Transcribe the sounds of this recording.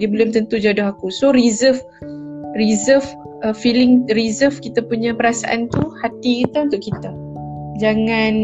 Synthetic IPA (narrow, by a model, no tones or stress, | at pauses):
dibəlʊmt̪ənt̪ud͡ʒadʊɦakusoɾizəf | rizəf | əfilɪŋrizəfkit̪apuɲãpəɾasaʔa̰nt̪uhat̪ikit̪aunt̪ʊʔkit̪a | d͡ʒaŋan